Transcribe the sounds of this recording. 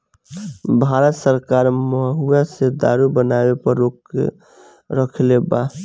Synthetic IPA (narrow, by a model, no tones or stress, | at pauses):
bʱaɾət̪səɾkaːɾməɦuased̪a̰ɾubənabepəɾːok | ɾəkʰleba